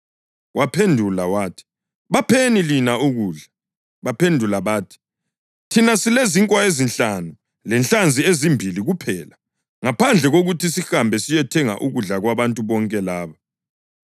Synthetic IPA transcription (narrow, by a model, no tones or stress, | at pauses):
wʔapʰendʱulawaːtʰi̥ | βapʰenilinauɣuːɮa | βapʰendʱulaβaːtʰi̥ | tʰinasileziŋkʼwaezint͡ɬɬanu | lɛnɬand͡zʱiezimbʱiliɣupʰɛːla | ŋapʰand͡ɮʱɛɣoɣutʰisixambʱɛsijɛtʰɛŋa̰ʔuɣuɮaɣwaβantʼuβɔŋkʼɛlaːβa